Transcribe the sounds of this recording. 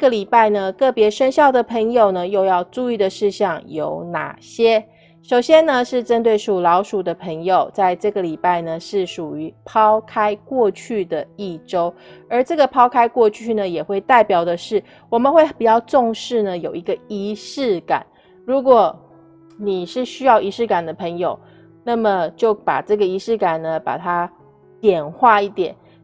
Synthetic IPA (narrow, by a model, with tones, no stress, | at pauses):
ɡə˨li˨˩pa˥˩ɪnə˩kɤ˥˩pjɛ˧˥ʂə˥nɕjɑ˥˩ʊd̪ə˩pʰə˧˥ŋjo˨ʊnə˩jo˥˧ʊjɑ˥˧ʊʈ͡ʂu˥˧i˥˩d̪ə˨˩ʂɻ̩˥˧ɕjɑ˥˩ŋjo˧˥ʊna̰˨˩ɕjɛ˥ | ʂo˨˩ʊɕjɛ˥nə˨ʂɻ̩˥˩ʈ͡ʂə˥nt̪we˥˩ɪʂu˨˩lɑ˧˥ʊʂu˨˩d̪ə˦pʰə˧˥ŋjo˨˩ʊt͡sa˥˧ɪʈ͡ʂɤ˥˩ɡə˩li˨˩pa˥˩ɪnə˩ʂɻ̩˥˩ʂu˨˩y˧˦pʰɑ˥ʊkʰa˥ɪkwɔ˥˧t͡ɕʰy˥˩d̪ə˩i˥˩ʈ͡ʂo˥ʊə˞˨˧˥ʈ͡ʂɤ˥˩ɡə˩pʰɑ˥ʊkʰa˥ɪkwɔ˥˧t͡ɕʰy˥˩nə˩jɛ˨˩xwe˥˧ɪt̪a˥˩ɪpjɑ˨˩ʊd̪ə˦ʂɻ̩˥˩ | wɔ˨˩mə˦nxwe˥˩ɪpu˨˩t͡ɕjɑ˥˧ʊʈ͡ʂʊ˥˧ŋʂɻ̩˥˩nə˩jo˨˩ʊi˧˥ɡə˧i˧˥ʂɻ̩˥˩ka̰˨˩˦n | ɻu˧˥kwɔ˨˩˦ | ni˨˩ʂɻ̩˥˩ɕy˥jɑ˥˩ʊʔi˧˥ʂɻ̩˥˩ka˨˩nd̪ə˦pʰə˧˥ŋjo˨˩ʊ | na˥˩mə˨t͡ɕjo˥˩ʊpa̰˨˩ʈ͡ʂɤ˥˩ɡə˩i˧˥ʂɻ̩˥˩ka˨˩nnə˩pa̰˨˩t̪ʰa˥ | t̪jɛ˨˩nxwa˥˧i˥˩t̪jɛ˨˩˦n